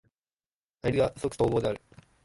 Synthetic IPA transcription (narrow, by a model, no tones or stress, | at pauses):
aɾʲiɡasokɯ̥t̪oːboːd̪eaɾɯ̟